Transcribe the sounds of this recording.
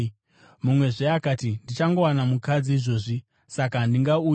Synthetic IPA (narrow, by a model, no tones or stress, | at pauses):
mumwe̞ʐeakatindit͡ʃaŋɡo̞wanamukad͡ziːʐo̞ːʐi | sakandiŋɡauː